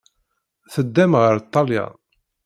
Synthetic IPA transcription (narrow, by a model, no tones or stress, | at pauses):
θəd̪ːæmʁəɾt̪ˤːɑljɑ̰